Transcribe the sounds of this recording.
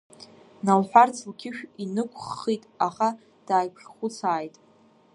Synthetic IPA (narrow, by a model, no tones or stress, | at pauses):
nalħʷᶣart͡sʰlɡʲʰɪʃᶣinɨkʷʰʼχːitʼaχa | d̥aːjkʰχχʷʊt͡sʰaːjtʼ